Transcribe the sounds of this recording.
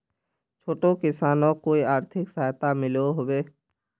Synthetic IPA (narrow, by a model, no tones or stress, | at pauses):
t͡ʃʰoːʈokɪsaːnõkoːiaːɾt̪ʰɪksaːjt̪amɪloɦoʋeː